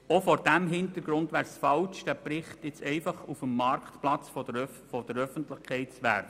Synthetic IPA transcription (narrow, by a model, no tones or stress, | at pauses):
ofɔɾd̥æmɦɪntəɾɡ̥ɾʊndʋæːɾsfɑlʃd̥æːpɾɪχtjɪt͡sɛɪfɑχufəmːɑrktplɑt͡sfɔdə | fɔd̥əɾœfəntlɪχkʰɛɪtt͡sʋæɾ